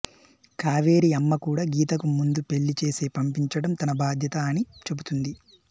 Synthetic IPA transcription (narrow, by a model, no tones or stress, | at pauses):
kaːʋe̞ːɾiɐmːɐkuːɽaːɡiːt̪ɐkumund̪upe̞ɭːit͡ʃe̞ːse̞ːpɐmpiɲt͡ʃɐɽɐmt̪ɐnɐbaːd̪ʱjɐt̪ɐːnit͡ʃe̞but̪und̪i